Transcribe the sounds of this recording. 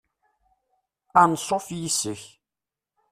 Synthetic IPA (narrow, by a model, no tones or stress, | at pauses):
ansˤofjisəç